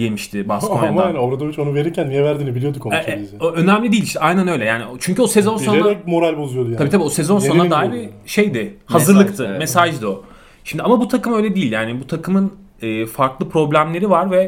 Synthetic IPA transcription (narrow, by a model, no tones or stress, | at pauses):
jemiʃt̪ʰɪbasaamaanoɾad̪ovit͡ʃo̞nuve̞ɾiɾcʰænːijɛvæɾd̪iːnibilʲijo̞d̪ukʰoizɛoʔø̞næmlʲid̪iːlʲiʃt̪ɛajnanø̞jlʲɛjaːnit͡ʃʰyɲcyosezo̞nsoneɛmo̞ɾalʲbozujo̞d̪ujaabiːt̪ʰabiːosezo̞nsonad̪aːɦiɾɪʃejd̪ɪhazɯɾlˠɯkt̪ʰɯmesaʒd̪o̞ | ʃimd̪iamabut̪ʰakɯmø̞jlʲɛd̪iːlʲjaːnibut̪ʰakʰɯmɯn | ɯːfaɾklˠɯpʰɾo̞blʲæmlʲe̞ɾivaɾvɛ